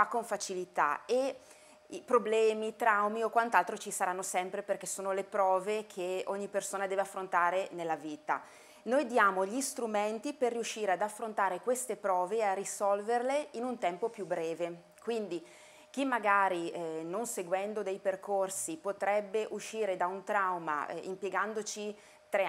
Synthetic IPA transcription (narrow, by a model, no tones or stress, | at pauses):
fakːoɱfat͡ʃilit̪a̰e | ipɾoblɛːmit̪ɾawmiokwant̪alt̪ɾot͡ʃisaɾanːosɛmpɾeperk̟esːoːnolepɾɔːvekʰeoɲːipersoːnad̪ɛːveafːɾont̪aːɾenelːaviːt̪a̰ | nojd̪jaːmoʎist̪ɾument̪iperːiuʃːiːɾead̪afːɾont̪aːɾekwest̪epɾɔːvearːisɔlverleinunt̪ɛmpopjubːɾɛːve | kwind̪i | k̟imːaɡaːɾinonseɡwɛnd̪od̪ɛjperkʰorsipot̪ɾɛbːeʔuʃːiːɾed̪aunt̪ɾawma̰ḭmpjeɡand̪ot͡ʃi | t̪ɾe